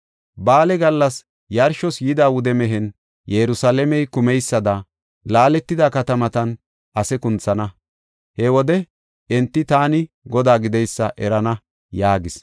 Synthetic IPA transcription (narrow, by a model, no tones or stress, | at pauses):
baːlɛɡɐlːɐs | jɐɾʃɔsjɪd̪aːwʊd̪ɛmɛɦɛn | jɛɾʊsalɛmɛjkʊmɛjsːɐd̪ɐ | laːlɛt̪ːɪd̪aːkɐt̪ɐmɐt̪ɐn | ʔɐsɛkʊnt͡sɐnɐ | hɛwɔd̪ɛ | ɛnt̪ːɪt̪aːnɪ | ɡɔd̪aːɡɪd̪ɛjsːɐʔɛɾɐnɐ | jaːɡɪs